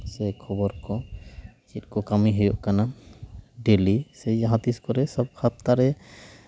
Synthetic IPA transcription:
sɛkʰɔbɔɾkɔ | t͡ʃit̪̚ˀkɔkamiɦɔjɔʔkana | ɖelisɛd͡ʒaɦãt̪iskɔɾɛsɔb̚kʰat̪̚t̪aɾɛ

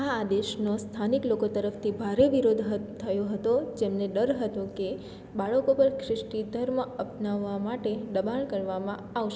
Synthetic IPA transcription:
aːd̪eʃnost̪ʰaniklokot̪əɾəft̪ʰibʱaɾeʋiɾod̪ʱɦət̪ʰəjoɦət̪od͡ʒemneɖəɾɦət̪õke | baɭəkopəɾkʰɾɪʃʈid̪ʱəɾməəpnaʋːamaʈeɖəbaɳkəɾʋamãaʋʃe

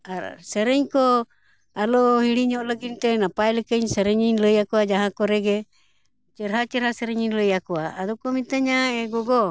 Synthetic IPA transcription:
aɾsəɾɛɲkɔ | alɔhiɽiɲɔʔləɡint̪ɛnapajləkəɲsɛɾɛɲinləjakuad͡ʒaɦãkɔɾɛɡɛ | t͡ʃəɾɦat͡ʃəɾhasɛɾɛɲinləjakuaːd̪ɔkɔmit̪aɲaɛɡɔɡɔ

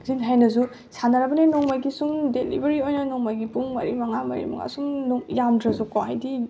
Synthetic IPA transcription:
zinɦajnɐz̬u | sanaɾɐbɐnenɔŋmajɡisumdelḭbɐɾiojnɐnɔŋmajɡipuŋmɐ̰ɾimɐŋamɐ̰ɾḭmɐ̰ŋa̰sumnuŋjamdɾɐzukohajdi

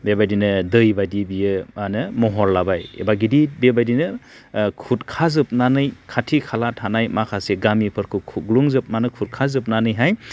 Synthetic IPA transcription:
bebajdinɯdɯjbadibijɯmanɯmɔɦɔɾlabajḛbaɡidibebajdinɯ | kʰut̚kʰazɯp̚nanɯjkʰatʰikʰalatʰanajmakʰaseɡamipʰɯɾkʰɯkʰuɡluŋzɯp̚manɯkʰut̚kʰazɯp̬̚nanɯjɦaj

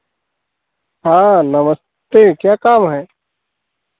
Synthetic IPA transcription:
ɦãːnɐməs | t̪ekjaːkaːmɦɛː

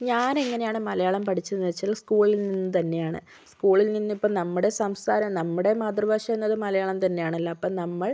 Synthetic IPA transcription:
ɲaːne̞ŋːɐne̞jaːɳɨmɐlɐjaːɭɐmpɐʈʰit͡ɕːɐniɐt͡ɕːɐlskuːɭilninːɨt̪ɐnːe̞jaːɳɨ̰ | skuːɭilninːipːoːnɐmːuɽe̞sɐmska̰ːɾɐmnɐmːuɽe̞maːd̪rɐʋaːʂɐmenːɐðɨmɐlɐjaːɭɐmt̪ɐnːe̞jaːɳɐlːɐːpːoːnɐmːɐɭ

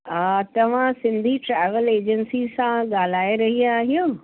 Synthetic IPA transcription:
aːt̪ɐʋ̤ãsɪ̃nd̪ʱiʈɾɛːʋəleːd͡ʑənsisãɠaːl̤aːeɾɐɦiaːɦijõː

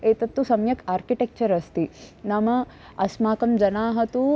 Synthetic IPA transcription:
eːt̪ɐt̪ːusɐmjɐkʰaːɾkiʈek̚t͡ʃɐɾɐst̪inɐmɐ | ɐsmaːkɐmd͡ʒɐnaːɦɐt̪u

